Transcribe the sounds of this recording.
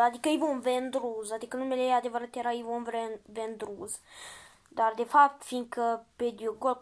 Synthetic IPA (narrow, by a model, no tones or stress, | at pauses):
ad̪ikəijvonvend̪ɾuzad̪ikənumelead̪e̞vəɾat̪jeɾaijvonvɾenvend̪ɾuz | d̪ard̪e̞fap̚t̪fiŋkəped̪ioɡol